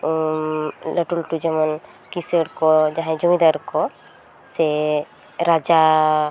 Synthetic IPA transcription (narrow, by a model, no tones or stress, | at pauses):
ləʈulʈud͡ʒɛmɔn | kisəɾkɔd͡ʒaɦɛ̃d͡ʒumid̪aɾkɔ | sɛ | ɾad͡ʒa